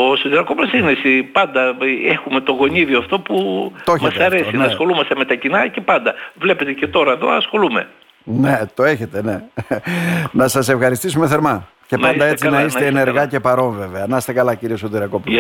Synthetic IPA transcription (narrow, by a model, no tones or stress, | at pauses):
osot̪iɾɐkoplosinesipɐnd̪ɐexume̞t̪o̞ɣo̞niðioɐft̪o̞put̪oeçmɐsɐɾe̞sinɐsxo̞lumɐst̪eme̞t̪ɐcinɐce̞pɐnd̪ɐvle̞pet̪ece̞t̪o̞ɾɐeðo̞̰ɐsxo̞lume̞ | ne̞t̪o̞e̞çe̞t̪e̞ne̞ | nɐsɐse̞fxɐɾist̪isume̞θe̞ɾmɐ | ce̞nɐnd̪ɐet͡sinɐiist̪eːne̞ɾɣɐce̞pɐɾo̞ɱve̞ve̞ɐnɐst̪ekɐlɐciɾiosot̪iɾɐko̞p